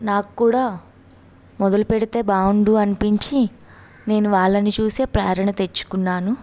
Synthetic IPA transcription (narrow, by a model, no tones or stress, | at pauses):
naːkukːuːɽaː | mɔd̪ɐlupeɽit̪e̞ːbaːwuɳɖuɐnipiɲt͡ʃi | ne̞ːnuʋaːɭːɐnit͡ʃuːse̞ːpɾaːɾɐɳɐt̪e̞t͡ʃːu̥kunːaːnu